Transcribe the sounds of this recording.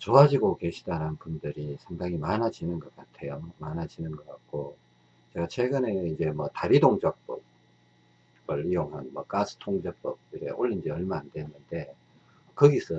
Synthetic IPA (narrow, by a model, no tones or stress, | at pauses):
t͡ɕoɦad͡ʑiɡoke̞ɕʰidananpundɯɾisʰeŋdaŋimanad͡ʑinɯnɡʌk͈atʰe̞jomanad͡ʑinɯnɡʌk͈ak̚k͈o | t͡ɕe̞ɡat͡ɕʰwe̞ɡɯne̞id͡ʑe̞mwʌtaɾidoŋd͡ʑʌk̚p͈ʌp̚ | bɯɭijoŋɦanmwʌ̰k͈asʰɯ̥tʰoŋd͡ʑʌk̚p͈ʌp̚iɾḛʔoʎːind͡ʑiʌɭmaːndenːɯnde̞ | kɯɡis͈ʰʌ